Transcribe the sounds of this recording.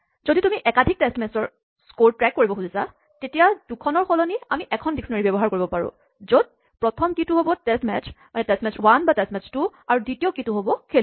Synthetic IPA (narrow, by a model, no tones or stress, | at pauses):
z̥oditumiʔɛkadʱik̚tɛstmɛsɔɹ | skoɹtɹɛkːoɹibɔxuzisa | tetijad̥ukʰɔnɔɹxɔlɔniamiʔɛkʰɔndiksɔnaɹibɛbɔɦaɹkoɹibɔpaɹʊ̰̃ | zod̚ | pɹɔtʰɔmkituɦobɔtɛstmɛt͡ʃʰmanɛtɛstmɛt͡ʃʰwanbatɛstmɛt͡ʃtuaɹuditiɔkituɦobɔkʰel